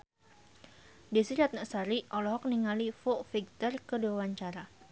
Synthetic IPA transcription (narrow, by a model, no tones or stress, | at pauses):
disiɾat̪̚nəʔsaɾiʔɔlɔɦɔk̚niŋalifoʔfiɡ̚t̪ɔrkədewawaɲt͡ʃaɾa